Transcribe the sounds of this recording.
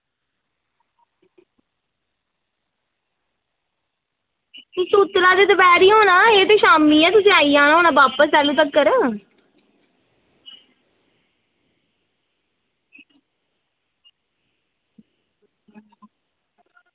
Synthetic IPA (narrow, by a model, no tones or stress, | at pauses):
ɪsuːt̪laːd̪eːt̪əpɛːɾiːɦoːnaːeːt̪eːʃaːmiːɛ̃ːt̪ʊsĩaːiːãːnɦoːnaːbaːpəsɛːluːt̪əkːəɾ